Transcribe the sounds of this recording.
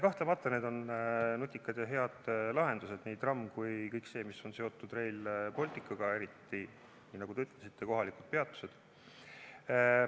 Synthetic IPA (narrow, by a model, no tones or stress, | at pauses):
kɑht̪lemɑt̪ːˑɑne̞ːd̪o̞nnot̪ʲːˑikːˑɑd̪̥jɑɦe̞ɑd̪̥lɑɦe̞nd̪use̞d̪niːd̪rɑmːkujkɤjkse̞ːmiso̞nse̞o̞t̪ˑːud̪̥re̞jlpo̞lʲt̪ːˑikːˑɑɡ̥ɑe̞ɾit̪ːˑi | niːnɑɡud̪e̞yt̪ːˑle̞sit̪ːe̞ko̞ɦɑlikud̪̥̚pe̞ɑt̪ːˑu̥se̞d̪̥